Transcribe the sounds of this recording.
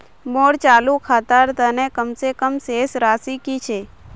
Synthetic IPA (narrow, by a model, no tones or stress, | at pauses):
moːɽt͡ʃaːlukʰaːt̪əɾt̪ənekəmsekəmseːsɾaːsikit͡ʃʰeː